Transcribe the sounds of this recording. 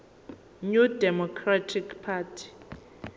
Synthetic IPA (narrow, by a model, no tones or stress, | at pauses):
ɲudɛmɔkʰratʰikpʰaːtʰi̥